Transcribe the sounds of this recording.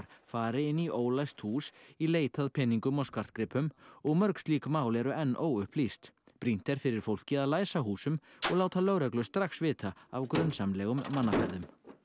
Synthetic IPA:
ɾfaːɾɪɪnːiʔoːwlajst̪huːsileːjt̪aðpʰɛnːiŋkʏmɔwskaɾ̥t̪kɾɪːpʏmɔɣmœɾkst̪liːkmaːwlɛɾʏʔɛnːʔoːwʏhplist̪pɾin̥t̪ɛɾ̥fɪɾɪɾ̥fowl̥cɪaðlaːjsaɦuːsʏmɔɣaːwt̪alœɥɾɛklʏst̪ɾaxsvɪːt̪aavkɾʏnsamlɛɣʏmːanːafɛ̰ɾðʏm

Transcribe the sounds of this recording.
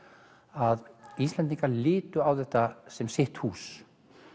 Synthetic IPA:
aðist̪lɛnt̪̬iŋkaɾlɪːt̪ʏawθɛht̪asɛmsɪht̪huːs

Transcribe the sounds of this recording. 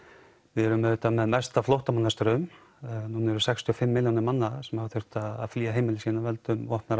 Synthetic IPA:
vɪðɛɾʏmœʏt̪amɛðmɛst̪aflɔwht̪amanːast̪ɾʏm | nunɛɾʏsɛkst̪ʰʏɔfɪmːɪljawnɪɾmanːasɛmhavθʏɾ̥t̪aða̰ðfliːaɦeːjmɪlɪsiːnavɛlt̪ʏmvɔhpnaɾ

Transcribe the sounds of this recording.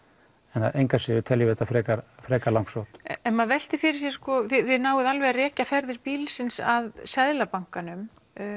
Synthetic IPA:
ɛnθaðʔejŋkasɪʏt̪ʰɛljɪvɛt̪afɾɛːkaɾfɾɛːkaɾlawŋksowt̪ɛnmaðvɛl̥t̪ɪfɪɾɪɾ̥sjɛ̥skɔθɪθɪðnaːwɪðalvɛarɛːcafɛɾðɪɾpiːlsɪnsaðsɛðlapaŋ̥kanʏm

